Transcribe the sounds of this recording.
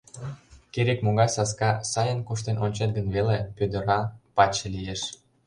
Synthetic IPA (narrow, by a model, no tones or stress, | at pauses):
keɾekmoɣɑjsɑskɑsɑjənkuʃt̪enonʲt͡ɕet̪̚ɡə̆nβelepød̪ə̆ɾɑpɑt͡ɕĕlijeʃ